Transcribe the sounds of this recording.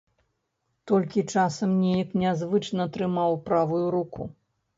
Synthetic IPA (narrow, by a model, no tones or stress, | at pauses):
t̪ɔlʲkʲit͡ʂasɐmnʲɛjɐknʲazvɨt͡ʂnɐt̪ɾɨmawpɾavujuɾuku